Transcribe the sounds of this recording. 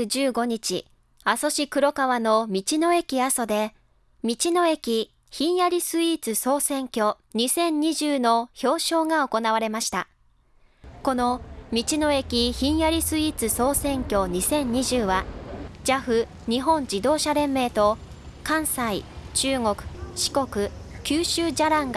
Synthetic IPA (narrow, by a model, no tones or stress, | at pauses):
d͡ʑɨːɡo̞ɲ̟it͡ɕḭ | aso̞ɕikɯ̟ɾo̞kaβano̞mʲit͡ɕino̞e̞kʲiaso̞d̪e̞ | mʲit͡ɕino̞e̞kʲi | çĩɰ̃jaɾʲisɨit͡sɨso̞ːsẽ̞ŋkʲo̞ | ɲ̟isẽ̞ɲ̟ɲiʑɨːno̞ço̞ːɕo̞ːŋao̞ko̞naβ̞aɾe̞maɕi̥t̪a | ko̞nomʲit͡ɕino̞e̞kʲiçĩɰ̃jaɾʲisɨiːt͡sɨso̞ːsẽ̞ŋkʲo̞ɲ̟isẽ̞ɲ̟ɲiʑɨːβad͡ʑaɸɯ̟ | ɲ̟iɦõ̞ɲ̟d͡ʑid̪o̞ːɕaɾẽ̞mːe̞ːt̪o̞ | kãɰ̃sait͡ɕɨːŋo̞kɯ̟̥ɕi̥ko̞kɯ̟kʲɨːɕɨːd͡ʑaɾãŋɡa